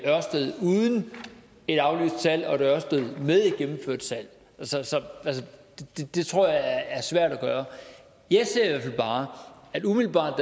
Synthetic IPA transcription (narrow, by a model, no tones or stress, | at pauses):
ɶɐ̰sd̥eð̞̩ˠuðˠn̩ | e̝ɾ̥ɑ̈ʊly̰ːsd̥sæl̰ɒ̽eɾɶɐsdd̥eð̞ˠmeð̞ˠi̥ɡ̥emm̩fø̰ɐ̰d̥sʰæl̰ | ælsəsɒ̽æls̬əd̥d̥ed̥e̝t͡sʰʁo̝ɐ̰jɑ̈ɪææɐsʋæɐ̰ɾ̥æɡ̥ɶːɐ | jɑ̈ɪse̝ɐ̰iʋæɐ̰fælb̥ɑ̈ːæd̥umiðlb̥ɑ̰̈ːd̥ː